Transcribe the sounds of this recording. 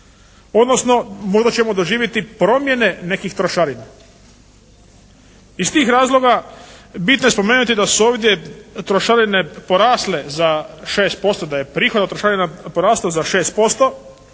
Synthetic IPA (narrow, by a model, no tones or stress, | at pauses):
o̞d̪nosno̞moʒd̪at͡ɕe̞mo̞d̪o̞ʒiːʋjit̪ipɾo̞mje̞ne̞ne̞kixt̪ɾoʃaɾina | ist̪iːxɾaːzlˠo̞ɡabit̪noje̞spo̞meːnut̪id̪asuoːʋd̪je̞t̪ɾoʃaɾine̞po̞ɾaːsle̞zaʃeːst̪̚po̞st̪o̞d̪aje̞pɾiːxod̪at̪ɾoʃaɾinapoɾaːslozaʃe̞ːst̪̚po̞st̪o̞